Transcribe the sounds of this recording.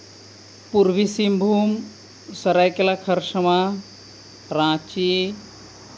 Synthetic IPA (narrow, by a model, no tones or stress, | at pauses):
puɾʋisimbʱum | səɾajkelakʰəɾsəma | ɾãt͡ʃi